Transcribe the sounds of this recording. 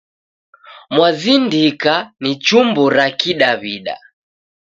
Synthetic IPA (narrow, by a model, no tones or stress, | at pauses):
mwazindikanit͡ʃumbuɾakiɗaβiɗa̰